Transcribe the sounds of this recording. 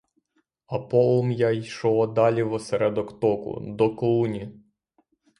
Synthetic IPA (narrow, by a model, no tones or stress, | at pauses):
ɐpɔlˠɔmjajʃɔɔd̪ɑlʲiʋɔsɛɾɛd̪ɔkt̪ɔkʊ̰d̪ɔkɔlˠunʲi